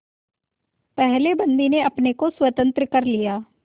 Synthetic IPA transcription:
pɛɦlebɐ̃nd̪ineɐpnekoswɐt̪ə̃nt̪ɾəkɐɾlijaː

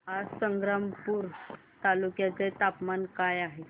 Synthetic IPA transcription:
ɦasəŋɡɾampuːɾ | t̪alukjat͡set̪apmankajaɦe

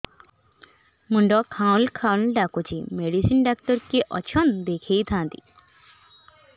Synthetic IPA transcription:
muɳɖɔkʰãlkʰalɖakut͡ɕimeɽisinɖak̚ʈɔɾkeʔɔt͡ɕʰɔnd̪ekʰejt̪ʰãnt̪ḭ

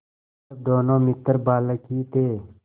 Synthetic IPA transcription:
əb̚d̪oːnõːmɪt̪əɾbaːləkiːt̪eː

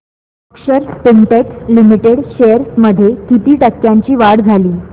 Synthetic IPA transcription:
əkɕəɾspiɳʈekslimiʈeɽɕejəɾsməd̪ʱjekit̪iːʈəkːjaɲt͡ɕiːʋaɽd͡zʱaliː

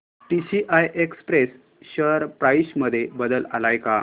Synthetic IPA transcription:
ʈiɕiʔajʔekspɾes | ɕəɾpɾajɕməd̪ʱːjebəd̪əla̰lajka

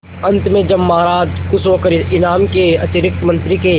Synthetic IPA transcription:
ɐ̃nt̪mẽd͡ʒɐbmːaːɾaːd͡ʒkʊsokəɾɪnaːmkeɐt̪ɪɾɪk̚t̪mɐ̃nt̪ɾike

